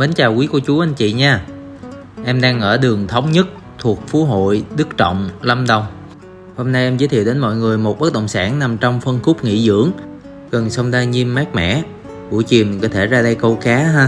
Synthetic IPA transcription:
me˨˦nt͡ɕaː˨˩wki˨˦ku˧˩ət͡ɕu˨˦ʔa˧jŋ̟t͡ɕḭ˧˨ɲaː˧ | ʔɛ˧mɗaː˧ŋʔəː˧˩ɗɨ˨˩əŋt̪ʰə˨˦wŋ͡mɲə˦˥t̚ | t̪ʰu˨˩ək̚fu˨˦ɦo̰˧˨jɗɨ˦˥k̚t͡ɕɔ̰˧˨wŋ͡mlə˧mɗə˧˩wŋ͡m | ho˧mna˧jʔɛ˧mzɨ˨˦t̪ʰi˧˨wɗe˨˦nmɔ̰˧˨jŋɨ˨˩əjmo˨˩t̚ɓə˦˥t̚ɗə̰˧˨wŋ͡msaː˧˩nna˨˩mt͡ɕɔ˧wŋ͡mfə˧nxʊ˦˥k͡p̚ŋḭ˧˥zɨ̰˧˥əŋ | ɣə˨˩nsə˧wŋ͡mzaː˧ɲi˧mːaː˦˥k̚mɛ̰˧˨ | ɓṵ˧˩jt͡ɕi˨˩ən˨kɔː˨˦t̪ʰe˧˩zaː˧ɗə˧jkə˧wkaː˨˦ɦaː˧

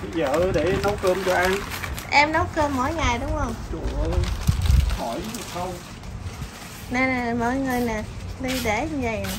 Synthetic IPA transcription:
ə˧zəː˨˩˨ɗe˧˩nə˨˦wkəː˧mt͡ɕɔ˧ʔa˧nʔɛ˧mnə˨˦wkəː˧mːo̰˧˨jŋa˨˩jɗʊ˨˦wŋ͡mhə˧wŋ͡mt͡ɕu˨˧˩ə˩ə˧ | hʰɔ˧˩jxə˧w | ne˧nː˨˩mɔ̰˧˨˦jŋɨ˨˩əjnaː˨˩ɗi˧ɗe˧˩ɲɨ˧və˨˩ja˨˩

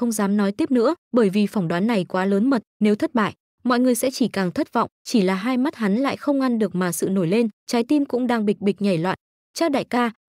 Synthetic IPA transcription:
xə˧wŋ͡mzaː˨˦mnɔ˨˦jt̪i˦˥əp̚nɨ̰˧˥əɓəː˧˩jvi˨˩fa˧˩wŋ͡mɗwaː˨˦nːa˨˩jkwaː˨˦ləː˨˦nmə˨˩t̚ne˨˦wt̪ʰə˦˥t̚ɓa̰ː˧˨j | mɔ̰˧˨jŋɨ˨˩əjsɛ̰˧˥t͡ɕi˧˩kaː˨˩ŋt̪ʰə˦˥t̚vɔ̰˧˨wŋ͡mt͡ɕi˧˩laː˨˩ɦaː˧jma˦˥t̚ɦa˨˦nla̰ː˧˨jxə˧wŋ͡mʔa˧nɗɨ˨˩ək̚maː˨˩sɨ̰˧˨no˧˩jle˧nt͡ɕaː˨˦jt̪i˧nkʊ̰˧˥ŋ͡mɗaː˧ŋɓi˨˩k̚ɓi˨˩k̟̚ɲa˨˧˩jlwa̰ː˧˨n | t͡ɕaː˦˥w̚ɗa̰ː˧˨jkaː˧

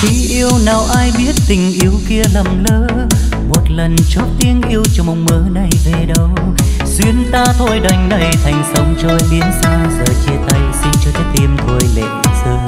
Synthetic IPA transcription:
t̪ʰi˧˥ʔi˧əwnaː˨˩wʔaː˧jɓi˦˥ət̚t̪ï˨˩ŋ̟ʔi˨˦əwki˧əla˨˩mləː˧˦ | mo˨˩t̚lə˨˩nt͡ɕo˦˥p̚t̪i˧ənʔi˧əwt͡ɕɔ˧mo˨˩wŋ͡mməː˨˦na˨˩jve˨˩ɗə˨˦w | swi˧ənt̪aː˧t̪ʰo̰˧jɗa˨˩jŋ̟na˨˩jt̪ʰa˨˩jŋ̟sa˨˦wŋ͡mt͡ɕɔ˧˨˦ɓi˨˦ənsaː˧zəː˨˩t͡ɕi˧ət̪ʰa˨˦jsi˧nt͡ɕɔː˧˩t̪ʰɛː˨˦t̪i˧mt̪ʰo˧jlḛ˧˨˩sɨː˧ŋ

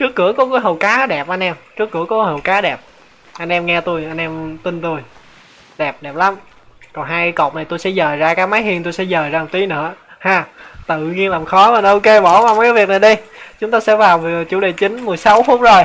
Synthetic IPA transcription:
t͡ɕɨ˦˥əkːɨ̰˧˩˥əkɔ˨˦kaː˨˦jɦə˨˩wkaː˨˦ɗɛ˨˩p̚ʔa˧nʔɛ˧mt͡ɕɨ˦˥ək̚ːɨ̰˧˩əkɔ˨˦hə˨˩wkaː˨˦ɗɛ˨˩p̚ | ʔa˧jnʔɛ˧mŋɛ˧t̪u˧jʔa˧jnʔɛ˧mt̪i˧nt̪u˧j | ɗɛ˨˩p̚ɗɛ˨˩p̚la˨˦m | kɔ˨˩nɦaː˧jkaː˨˦jko̰˨˩k͡p̚na˨˩t̪u˧jsɛ̰˧˥zəː˨˩jzaː˧kaː˨˦˥k̚maː˨˦jɦi˧nt̪u˧jsɛ̰˧˥zəː˨˩jzaː˧˨˩t̪i˨˦nɨ̰˧˥əhaː˧˩t̪ɨ̰˧˨ɲi˧ənlaː˨˩mxɔ˨˦mə˨˩n˨ʔo˧wke˧ɓɔ˧˩˦vaː˨˩m˨kaː˨˦jvi˨ək̚na˨˩jɗi˧jt͡ɕʊ˨˦ŋ͡mt̪aː˧sɛ̰˧˥vaː˨˩wvt͡ɕu˧˩ɗe˨˩t͡ɕï˨˦ŋ̟mɨ˨˩əjsa˨˦wfʊ˦˥t̚zo˨˩j

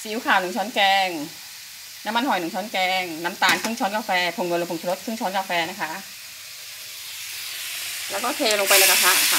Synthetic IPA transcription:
si˨˦˥wkʰaː˨˩wnu˨˩˦ŋt͡ɕʰɔː˦˥nkɛː˧ŋ | na˦˥mːa˧nhɔ˨˩nɯ˨˩˦ŋt͡ɕʰɔː˦˥nkɛː˧ŋna˦˥mt̪aː˧nkʰɯ˥˩ŋt͡ɕʰɔː˨˦˥nkaː˧fɛː˧pʰo˧˩ŋno˧˩lo˧˩pʰːŋt͡ɕʰɾo˦˥t̪̚kʰɯ˥˩ŋt͡ɕʰɔː˦˥nkaː˧fɛː˧na˦˥kʰa˦˥ʔ | lɛː˦˥wkɔː˥˩kʰeː˧na˧lo˧ŋpa˧jla˧˦˥ka˧pʰa˦˥˨kʰa˧˩

